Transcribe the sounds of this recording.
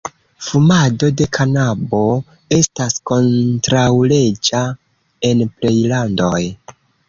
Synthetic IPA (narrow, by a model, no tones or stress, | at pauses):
fumado̞de̞kʰanabo̞ | e̞stasko̞ntɾawle̞d͡ʒa | e̞nple̞jlando̞j